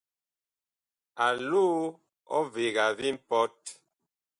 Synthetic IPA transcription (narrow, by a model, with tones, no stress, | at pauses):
a˨luː˦ | ɔ̰˦ve˨ɣa˨vi˦m̩˦pɔ˦t